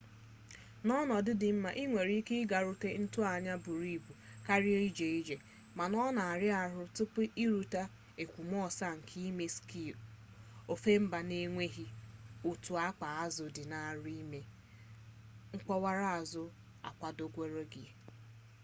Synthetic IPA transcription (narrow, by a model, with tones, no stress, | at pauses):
nɔ˦nɔ˨dɪ˦dɪ˨m̩˦ma˨ʔi˦ŋʷe˨ɾi˦kɪ˦ɡa˨ɾʊ˦te˦n̩˦tʊ˦a˨ɲa˦bu˨ɾi˦˨bu˨ka˦ɾɪ˦e˦i˦d͡ʒe˨i˦d͡ʒe˨ | ma˨nɔ˦na˨a˨ɾɪ˦a˨ɾʊ˦tʊ˦pʊ˦ʔi˦ɾu˨ta˦ | e˨kʷu˨m˦ɔ˦sa˦ŋ̩˨kʰi˦me˦ski˦˨ | o˨fe˦m̩˦ba˨ne˦ŋʷe˦ɦi˦u˨tu˨a˦k͡pa˨a˦zʊ˨dɪ˨na˨ɾi˦me˦ | ŋ̩˦k͡pɔ˦wa˦ɾa˦a˨zʊ˦ | a̰˨kʷa˨do˦kʷe˦ɾo˦ɡɪ˨